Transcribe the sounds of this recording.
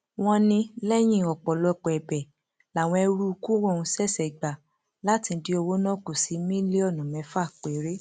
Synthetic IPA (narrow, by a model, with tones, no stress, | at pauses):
w̃ɔ̃˧nĩ˧lɛ˦j̃ĩ˦˨ɔ˨k͡pɔ˨lɔ˧k͡pɔ˨ɛ˨bɛ˨ | la˨w̃ɔ̃˧ɛ˧ɾu˦u˧ku˦wɔ˦˨ũ˧sɛ˦˨sɛ˨ɡ͡ba˨ | la˦tĩ˧˦di˧˦o˧wo˦nɔ̃˦˨ku˨si˨˦mĩ˦le˦ɔ˦˨nũ˨mɛ̃˨˦fa˦˨k͡pe˨˦ɾe˦